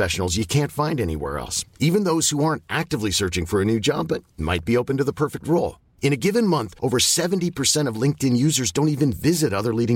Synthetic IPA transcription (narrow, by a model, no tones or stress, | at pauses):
ɛʃn̩l̩ˠzjɨkʰæ̃ntfãɪ̃ndɛnḭwɛ̰ɹɛ̰lˠsivɨ̃nðoʊz̥huɑɹntæk̚tɨvlisɜ˞t͡ʃɪ̃ŋfə˞ɨnʉd͡ʒɑ̰bʌt̚ma̰ɪt̚b̥ioʊpɨ̃n̩tɨðəpʰɜ˞fɨk̚t̚ɹoʊlˠ | ɨ̃ɾ̃ɨɡɪvɨ̃nmʌ̃nθʔoʊvə˞sɛṽn̩tipʰə˞sɛ̃ɾ̃ʌvlɪ̃ŋk̚tɨ̃njʉzə˞zdõʊ̃ntivɨ̃nvɪzɨɾʌðə˞liɾɪ̃